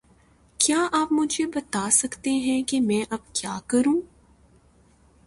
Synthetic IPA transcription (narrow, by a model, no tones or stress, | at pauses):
kjaːʔaːpmʊd͡ʒʱebɐt̪aːsɐkt̪eɦɛ̃kemɛ̃ːʔɐb̚kjaːkɐɾũː